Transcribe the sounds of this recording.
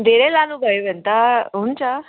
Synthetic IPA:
d̪eɾelanuɡəjʋɛnt̪aunt͡ɕa

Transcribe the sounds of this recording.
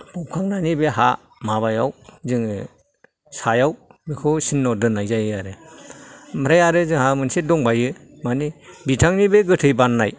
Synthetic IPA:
pɔp̚kʰaŋnanibeɦa | maβajawzɯŋ | sajawbekʰɯsinːɔdɯnajzajɯaɾɯ | mɯɾajaɾɯzɯŋhamɯnsedɔŋbajɯ | manibitʰaŋnibeɡɯtʰɯjbanːaj

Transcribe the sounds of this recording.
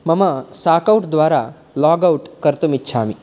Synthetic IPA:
məmasakauʈd̪ʋaɾa | lɔɡauʈkəɾt̪umitːɕʰaːmi

